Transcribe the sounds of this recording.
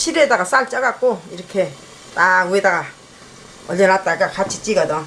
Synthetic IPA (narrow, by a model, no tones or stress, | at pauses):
ɕʰiɾed̪aɡasalt͡ɕaɡak͈oiɾʌkʰe | t̪awed̪aɡa | ɔʎʌnat̪͈aɡakʰat͡ɕʰi̥t͡ɕ͈iɡad̪ɯŋ